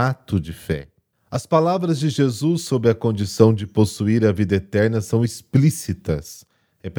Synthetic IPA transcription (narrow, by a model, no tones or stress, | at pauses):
at̪ʊd͡ʒɪfɛ̰ | ɐspalavɾɐzd͡ʒɪʒezusːobɾɪɐkõnd͡ʒisɐ̃w̃d͡ʒɪposuiɾɐvid̪ɐet̪ɛɾnɐsɐ̃w̃isplisit̪ɐ̰s | hep